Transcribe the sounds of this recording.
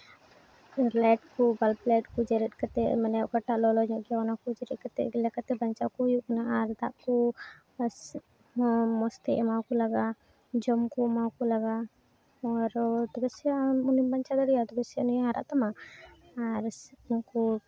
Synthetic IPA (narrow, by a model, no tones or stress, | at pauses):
laʈ̚kubalplaʈ̚kud͡ʒɛɾɛt̪̚kat̪ɛ̰manɛjʔkaʈːaʔlɔlɔɲɔʔɡjanakud͡ʒɛɾɛt̪̚kat̪ɛ̰lɛkat̪ɛbaɲt͡ʃakujuʔnaʔaɾd̪aʔku | s | ɔmɔst̪ɛʔmawkulaɡa | d͡ʒɔmkumakulaɡa | ɔɾt̪ɔɡɛsiunimbaɲt͡ʃad̪ɔɽijat̪ɔɡɛsinɛaɾa̰ʔt̪ɔmaː | ɾŋku